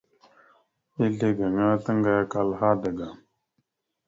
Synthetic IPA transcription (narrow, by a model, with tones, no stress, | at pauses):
i˦ɮe˦ɡɐ˨ŋa˦t̪ə˦ŋɡa˨jka˨lɦa˦də˨ɡa˨